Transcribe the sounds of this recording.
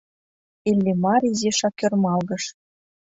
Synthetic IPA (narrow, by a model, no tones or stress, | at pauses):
elʲːemɑɾʲizeʃɑkːørmɑlɣɤ̆ʃ